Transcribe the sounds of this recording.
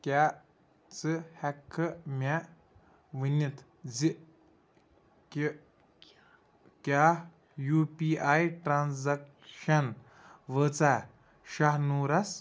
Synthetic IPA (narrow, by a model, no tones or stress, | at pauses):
kʲa | t͡sɨhɛkʰːɨmʲa | ʋɨnʲit̪ | d͡zi | k | kʲaː | juːpiːajʈɾanzɐk | ʃɐn | ʋəːt͡saː | ʃaɦnuːɾɐs